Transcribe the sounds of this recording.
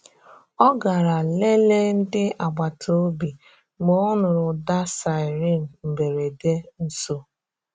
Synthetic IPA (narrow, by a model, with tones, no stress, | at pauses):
ɔ˦ɡa˨ɾa˨le˦le˦n̩˦dɪ˦a˨ɡ͡ba˨tʰo˦bi˨ | mo˨˦ɔ˦nʊ˨ɾʊ˨da˦sa˨ɪ˨ɾi˦˨m̩˨m̩˨be˨ɾe˨de˦n̩˦so˦